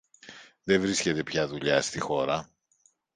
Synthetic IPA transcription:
ðe̞vɾisce̞t̪e̞pçɐðuʎɐst̪ixo̞ɾɐ

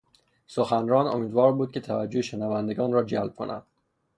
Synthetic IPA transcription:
soxænɾɒːno̰miːd̪vɒːɾbuːd̪̚cʰe̞t̪ʰævæd͡ʒːoheʃenævænd̪e̞ɡɒːnɾɒːd͡ʒælb̚kʰo̞næ̰nd̪̥

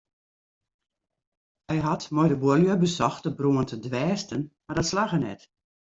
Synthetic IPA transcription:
hɛjɦatmɔjdəbʊəljəbəsɔxtəbruəntʰədʋɛːstənmardɔtslaɣənɛ̰t

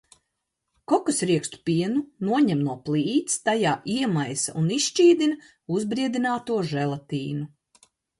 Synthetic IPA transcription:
kɔkusɾiɛkst̪u̥pʲiɛnunuɔɲɛmnuɔplˠiːt̪st̪ajaːʔiɛmajsa̰ʔuniʃʃt͡ʃiːd̪in | uzbɾiɛd̪inaːt̪uɔʒɛlˠat̪iːnu

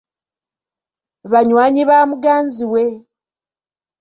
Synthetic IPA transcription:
βaɲwaːɲiβaːmuɡaːnziwe

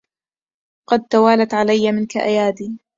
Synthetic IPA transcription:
qɑd̪̚t̪awaːlat̪ʕalajːamɪnkaʔajaːd̪iː

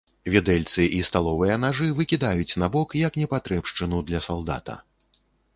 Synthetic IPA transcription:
vʲɛd̪ɛlʲt̪sɨʔist̪alˠɔvɨjɐnaʐɨvɨkʲid̪ajut͡sʲnabɔkjɐknʲɛpat̪ɾɛpʂt͡ʂɨnud̪lʲɐsalˠd̪a̰t̪ɐ̰

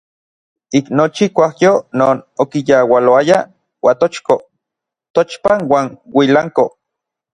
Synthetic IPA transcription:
iknot͡ʃikʷahjonoːnokijawaloaja | wat̪ot͡ʃko | t̪ot͡ʃpanwaːnwilaŋko

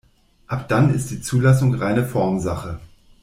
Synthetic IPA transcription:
ʔapd̥anɪ̰st̚d̥iːt͡suːlas̬ʊŋʁaɪnəfɔɐmzaχə

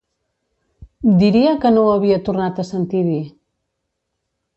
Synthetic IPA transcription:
d̪iɾiəkənoəβiət̪uɾnat̪əsənt̪iði

